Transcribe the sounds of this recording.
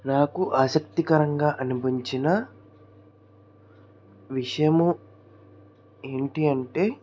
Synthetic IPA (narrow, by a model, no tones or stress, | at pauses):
naːkuʔaːsɐk̚t̪ikɐɾɐŋɡaːʔɐnubiɲt͡ʃinɐ | ʋiʂɐjɐmu | e̞ːɳʈiɐɳʈe̞ː